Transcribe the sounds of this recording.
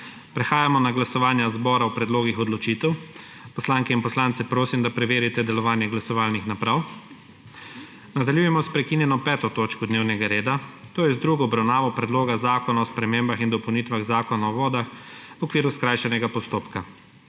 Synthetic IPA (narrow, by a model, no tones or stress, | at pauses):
pɾɛxaːjamɔnaɡlasɔʋaːnjazbɔːɾawpɾɛd̪loːɡixɔd̪lɔt͡ʃit̪ɛw | pɔslaːŋkɛinpɔslaːnt̪sɛpɾoːsimd̪apɾɛʋeːɾit̪ɛd̪ɛlɔʋaːnjɛɡlasɔʋaːlnixnapɾaw | nad̪aljujɛmɔspɾɛkinjɛnɔpɛːt̪ɔt̪oːt͡ʃkɔd̪neːwnɛɡaɾeːd̪at̪oːjɛzd̪ɾuɡɔɔbɾawnaːʋɔpɾɛd̪loːɡazaːkɔnaɔspɾɛmembaxind̪ɔpownit̪ʋaɣzaːkɔnaɔʋɔːd̪axwɔkʋiːɾuskɾajʃɛnɛɡapɔst̪oːpka